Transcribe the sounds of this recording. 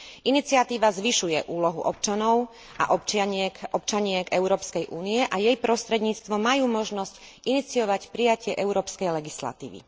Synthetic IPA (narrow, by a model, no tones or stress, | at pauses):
ʔinit͡siat̪iːʋazʋiʃujɛʔuːlɔɦuʔɔpt͡ʃanɔʊ | ʔa̰ʔɔpɛʔɔpt͡ʃaɲɪɛkɛʊɾɔːpskɛjʔuːniɛʔajɛjpɾɔst̪ɾɛd̪ɲiːt͡st̪ʋɔmajuːmɔʒnɔsc | init͡siɔʋacpɾijacɪɛʔɛʊɾɔːpskɛjlɛɡisla̰t̪ḭːʋḭ